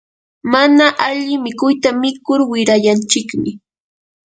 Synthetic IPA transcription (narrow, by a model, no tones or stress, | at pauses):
manaʔaʎɪmɪkʊjt̪amɪkʊɾwɪɾajant͡ʃɪkmɪ